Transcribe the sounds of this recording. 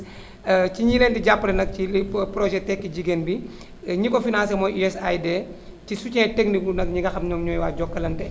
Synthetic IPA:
ciɲilɛːntiɟapːɐlɛnɐk̚cipɾɔʒɛtɛkːiɟiɡenbi | ɲikɔfinans̬ɛmɔjuɛsajdɛcisucɛtɛknikunɐkɲiɡɐxɐmɲɔŋɲɔːjwaːɟɔkːɐlɐntɛ

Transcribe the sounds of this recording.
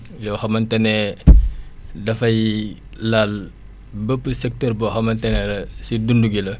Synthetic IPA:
jɔxɐmɐntɛnɛ | dɐfɐj | laːl | bəpːəsɛk̚tərbɔxɐmɐntɛnɛlɐsidunduɡilɐ

